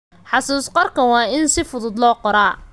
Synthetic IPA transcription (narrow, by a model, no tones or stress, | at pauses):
ħɑsuːsqɔrkʰɐwɑːɪnsɪfʊðʊd̪lɔːqɔɾaː